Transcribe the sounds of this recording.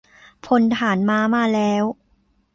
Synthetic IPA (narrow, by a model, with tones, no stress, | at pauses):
pʰo˧nt̪ʰaː˩˦nmaː˧maː˧lɛː˦˥w